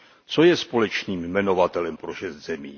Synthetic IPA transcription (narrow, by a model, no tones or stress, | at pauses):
t͡so̞jɛspo̞lɛt͡ʃniːmmɛno̞vat̪ɛlɛmpɾoʃɛzd̪z̥ɛmiː